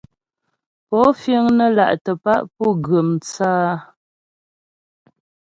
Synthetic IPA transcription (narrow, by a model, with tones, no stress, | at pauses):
pɔ˨˦fjə˦ŋnə˦la̰˨ʔtə˨pa˦ʔpɔ˦˨ɡə˨mt͡saː˦